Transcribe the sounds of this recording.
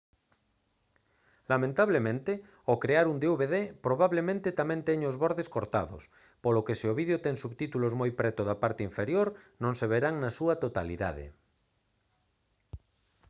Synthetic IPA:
lamẽnt̪aβlemẽnt̪e | okɾeaɾund̪euβeðepɾoβaβlemẽnt̪et̪amɛ̃nt̪ɛɲozβɔɾðeskoɾt̪aðo̰s | polokeseoβiðjot̪ɛŋsuβt̪it̪ulozmojpɾɛt̪oðapaɾt̪eiɱfeɾjoɾnõŋseβ̞eɾaŋnasuɐt̪ot̪alḭða̰ðḛ

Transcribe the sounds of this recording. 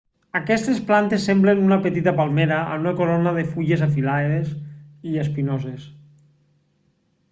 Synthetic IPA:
akɛst̪esplant̪esːemblenunapet̪it̪apalˠmeɾaʔa̰unakoɾonaðefuʎezafilaeðesiespinozes

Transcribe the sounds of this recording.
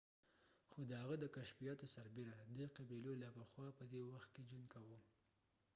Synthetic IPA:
xod̪əhaɣəd̪əkaʃfijɑt̪osaɾbeɾad̪əqabilolɑpəxwɑpəd̪ewaxt̪̚ked͡ʒunkawu

